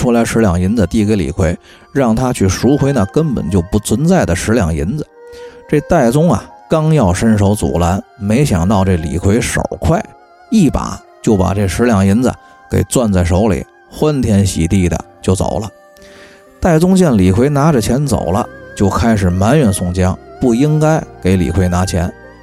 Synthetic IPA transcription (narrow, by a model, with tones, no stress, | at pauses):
ʈ͡ʂʰu˥la˧˥ɪʂɻ̩˧˥ljɑ˨˩ŋi˧˥nd͡zə˧t̪i˥˩ke˧˥ɪlḭ˨˩kʰwe˧˥ɪ | ɻɑ˥˩ŋt̪ʰa˥t͡ɕʰy˥˩ʂu˧˥kʰxwe˧˥ɪnə˨kə˥npə̰˨˩nt͡ɕjo˥˧ʊpu˥˩t͡sʰwə˧˥nt͡sa˥˩ɪd̪ə˩ʂɻ̩˧˥ljɑ˨˩ŋi˧˥nd͡zə˧ʈ͡ʂe˥˧t̪a˥˩ɪt͡sʊ˥ŋɐ̰˨kɑ˥ŋjɑ˥˩ʊʂə˥nʂo˧˥ʊt͡sṵ˨˩la˧˥nme˧˥ɪɕjɑ̰˨˩ŋt̪ɑ˥˧ʊʈ͡ʂe˥˩lḭ˨˩kʰwe˧˥ɪʂo̰˨˩ʊkʰwa˥˩ɪ | i˥˩pa̰˨˩˦ | t͡ɕjo˥˩ʊpa̰˨˩ʈ͡ʂe˥˩ʂɻ̩˧˥ljɑ˨˩ŋi˧˥nd͡zə̰˨ | kḛ˨˩ɪt͡swa˥˧nt͡sa˥˩ɪʂo˧˥ʊlḭ˨˩˦ | xwa˥nt̪ʰjɛ˥nɕḭ˨˩t̪i˥˩d̪ə̰˩t͡ɕjo˥˩ʊt͡so̰˨˩ʊlə˦ | t̪a˥˩ɪt͡sʊ˥ŋt͡ɕjɛ˥˩nli˨˩kʰwe˧˥ɪna˧˥ʈ͡ʂə˨t͡ɕʰjɛ˧˥nt͡so̰˨˩ʊlə̰˦t͡ɕjo˥˩ʊkʰa˥ɪʂ̬ɻ̩˨˩ma˧˥nɥɛ˨˩nsʊ˥˩ŋt͡ɕjɑ˥ŋpu˥˩i˥ŋka˥ɪke˧˥ɪlḭ˨˩kʰwe˧˥ɪna˧˥t͡ɕʰjɛ˧˥n